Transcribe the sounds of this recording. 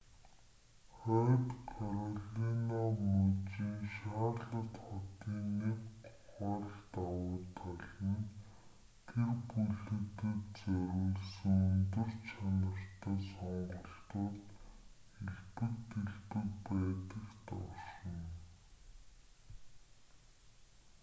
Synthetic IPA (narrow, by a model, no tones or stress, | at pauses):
χɔːt̪kʰaɾɔɮinamɵt͡ɕiːŋʃaːɮə̆t̪χɔt̪iːnewt̪ | χɔːɮt̪awʊːt̪ʰaɮə̆n | t̪ʰerpuɮɘ̆t̪ĭkt͡sœɾʲuːɮsɵ̆ŋɵnt̪ɵ̆rt͡ɕʰanə̆r̥t̪ʰæːsɔɴɢɞ̆ɬt̪ʊːt̪ | eɮpɘ̆kt̪eɮpɘ̆k̚pæːt̪ə̆kt̪ɔʃə̆n